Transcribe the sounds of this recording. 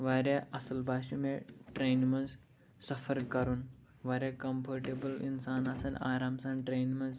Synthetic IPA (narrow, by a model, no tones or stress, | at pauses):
ʋaɾeɐsəlbaːʃumeʈɾenmɐns | sɐfʰəɾkɐɾuːn | ʋaɾekɐmpʰɐɾʈebəlḭnsaːnɐsɐna̰ːɾaːmsãnʈɾeːnmɐ̃nz